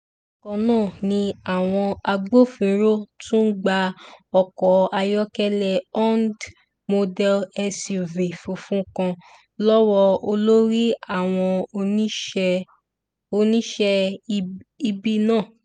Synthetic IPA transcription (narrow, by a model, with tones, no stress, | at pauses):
kɔ̃˧nãː˦˨nĩ˧a˦˨w̃ɔ̃˧a˧ɡ͡bo˦fĩ˧˦ɾo˦tũ˦ɡ͡ba˧ɔ˧kɔ˨˦a˧jɔ˦kɛ˦lɛ˧ɔ˦nd | mo˧dɛ˧˦lɛ˧si˧˨ve˨fũ˨fũ˦kã˧ | lɔ˦wɔ˧o˧lo˦ɾi˦a˦˨w̃ɔ̃˧o˧ĩ˦˧ | o˧nĩ˦ʃɛ˧ | i˧bi˦nãː˦˨